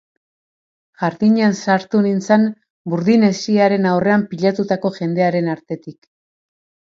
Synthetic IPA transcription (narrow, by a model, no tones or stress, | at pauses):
ʝaɾðiɲeansaɾt̪unint͡san | buɾðine̞siaɾe̞nawre̞ampiʎat̪ut̪ako̞ʝe̞nd̪e̞aɾe̞naɾt̪e̞t̪ik